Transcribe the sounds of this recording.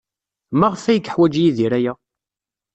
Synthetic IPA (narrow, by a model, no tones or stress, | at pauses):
maʁəfæjəkːħwæd͡ʒjiðiɾæjæ